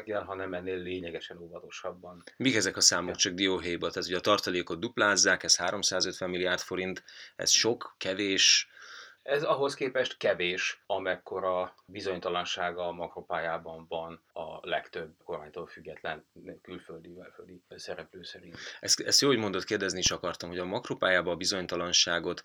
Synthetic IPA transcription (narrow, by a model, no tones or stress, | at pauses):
ɡːɛlɦɒnɛmɛnːeːlːeːɲɛɡɛʃɛnovɒt̪o̞ʃɒbːɒnmikɛzɛkɒsaːmokt͡ʃɒɡ̚d̪ioɦɛjbot̪ɛt̪oɟɒt̪ɒrt̪ɒleːko̞d̪d̪uplaːzːaːkɛshaːɾo̞msaːzøt̪ʋɛmːilːijaːrt̪fo̞ɾint̪ɛ̰sʃo̞kːɛveːʃ | ɛzɒɦo̞skeːpɛʃt̪kɛveːʃɒmɛkːo̞ɾɒbizo̞ɲt̪ɒlɒnʃaːɡɒmɒkropaːjaːbɒɱvɒnɒ̰lɛkt̪øbːko̞rmaːɲt̪oːlfyɡːɛt̪lɛnkylføld̪ivɛlføld̪isɛɾɛpløːsɛɾint̪ɛsɛst̪joːlhoɟmo̞nd̪o̞t̪keːrd̪ɛzniʃɒkɒrt̪ɒmho̞ɟɒmɒkropaːjaːbɒːbizo̞ɲt̪ɒlɒnʃaːɡo̞t̪